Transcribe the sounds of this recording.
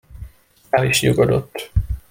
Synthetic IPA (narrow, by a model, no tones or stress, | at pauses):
ɛliʃɲuɡod̪ot̪ː